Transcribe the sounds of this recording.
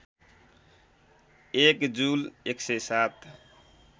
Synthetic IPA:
ekd͡ʒuleksesat̪

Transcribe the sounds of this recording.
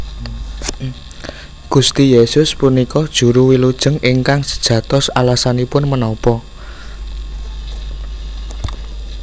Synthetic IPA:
ɡ̥ust̪ijesʊspunikɔd̥ʒ̥ṳɾuwilud̥ʒ̥ə̤ŋɪŋkaŋsə̥d̥ʒ̥ä̤t̪ʊsalasanipʊnmənɔpɔ

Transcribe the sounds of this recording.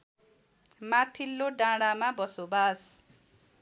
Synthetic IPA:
mat̪ʰilːoɖãɽamabʌsobas

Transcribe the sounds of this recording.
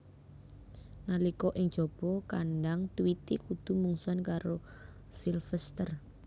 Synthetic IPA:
nalikɔʔɪŋd̥ʒ̥ɔ̤b̥ɔkanɖaŋt̪uwit̪ikud̪̥ṳmuŋsuankaɾo | silfɛst̪ər

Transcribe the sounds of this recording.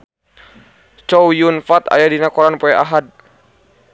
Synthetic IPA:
t͡ʃɔwjunfat̪a̰jadinakɔɾanpɔɛʔaɦad̚

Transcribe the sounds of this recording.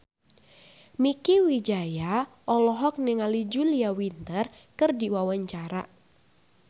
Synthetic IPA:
mikiwid͡ʒajaʔɔlɔɦɔk̚nɛŋalid͡ʒuliawint̪ər | kɨrdiwawaɲt͡ʃaɾa̰

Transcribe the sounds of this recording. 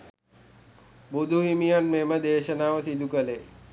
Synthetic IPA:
bud̪ʱuɦimijanmeməd̪eːʃənaːʋəsid̪ʱukəle

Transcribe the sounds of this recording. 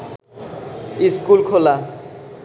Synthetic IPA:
iskulkʰola

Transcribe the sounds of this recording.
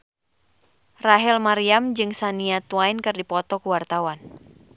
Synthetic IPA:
raɦɛlmaɾiamd͡ʒɨŋsaniat̪uwainkɨrdipɔt̪ɔkuwart̪awan

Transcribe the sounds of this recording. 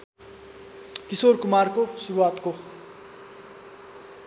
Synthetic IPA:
kisorkumarkosuɾuwat̪ko

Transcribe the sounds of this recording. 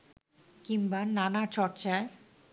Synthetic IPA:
kimbananat͡ɕɔɾt͡ɕae

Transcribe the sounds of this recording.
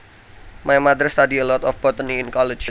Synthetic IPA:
majmad̪əɾst̪adiəlɔt̪ɔfb̥ɔt̪əniːnkɔlɪt͡ʃ

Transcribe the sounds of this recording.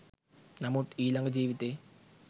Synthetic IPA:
nɐmut̪iːlɐŋɡɐd͡ʑiːʋit̪e

